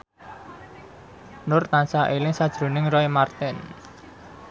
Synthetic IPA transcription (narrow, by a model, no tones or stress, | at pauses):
nʊrt̪ansaʔelɪŋsad̥ʒ̥ɾo̤nɪŋrɔimart̪ɪn